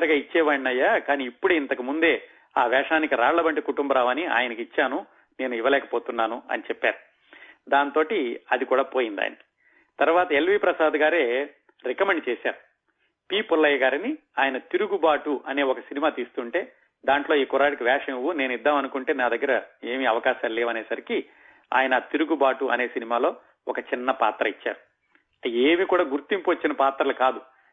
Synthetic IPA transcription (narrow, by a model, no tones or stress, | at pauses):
ɾɐɡaːit͡ʃːɛːʋaːɳinɐjːaːkaːniːpːuɽeːint̪ɐkumund̪e̞ː | aːʋɛːʂaːnikiɾaːɽlɐbɐɳʈikuʈumbɐɾaːʋaːnia̰ːjɐnɐkit͡ʃːaːnu | ne̞ːnuiʋɐlɛːkɐ̥po̞ːt̪unːaːnuɐ̰nit͡ʃɛpːa̰ːɾu | d̪aːnt̪o̞ːʈiɐd̪ikuːɽaːpo̞ːjind̪a̰ːni̥ | t̪ɐɾʋaːt̪ɐelʋiːpɾɐsaːd̪ɡaːɾe̞ː | ɾɛkɐmeɳʈt͡ʃeːsa̰ːɾu | piːpulːɐjɐɡaːɾiniaːjɐnɐt̪iɾuɡubaːʈuʔɐne̞ːɔkɐsinimaːt̪iːst̪uːɳʈe̞ː | d̪aːɳʈlo̞ːiːkɔɾaːɽikiʋɛːʂɐʋuneːnid̪ːaːmɐnukuɳʈe̞ːnaːd̪ɐɡːɐɾɐe̞ːmiɐʋɐkaːʃaːleːʋɐneːsɐɾiki | a̰ːjɐnɐt̪iɾuɡubaːʈuʔɐ̰ne̞ːsinimaːlo̞ː | ɔkɐt͡ʃinːɐpaːt̪ɾɐit͡ʃːa̰ːɾu | eːmikuːɽaːɡuɾt̪impuʋɐt͡ʃːinɐpaːt̪ɾɐlɐkaːd̪u